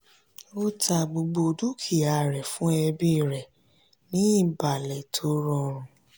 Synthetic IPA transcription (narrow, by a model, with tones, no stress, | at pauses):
o˦ta˧ɡ͡bo˧ɡ͡bo˧du˦kʰi˦˨a˨ɾɛ˨fũ˨˦ɛ˧bi˦˨ɾɛ˨ | nĩ˨˦i˦˨ba˨lɛ˨tʰo˨˦ɾɔ˧˨ɾ̃ũ˨